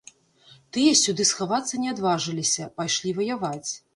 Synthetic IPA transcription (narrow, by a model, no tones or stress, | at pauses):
t̪ɨjɐsʲud̪ɨsxavat̪sːɐnʲɛad̪vaʐɨlʲisʲɐpajʂlʲivɐjavat͡sʲ